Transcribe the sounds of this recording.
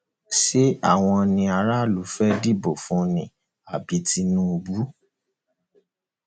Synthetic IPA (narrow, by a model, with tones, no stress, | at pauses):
si˦a˦˨w̃ɔ̃˧nĩ˧a˧ɾa˦˨lu˨˦fɛ˦di˦bo˨fũ˨˦nĩ˨ | a˨bi˨˦ti˧˦nũ˦o˧bu˦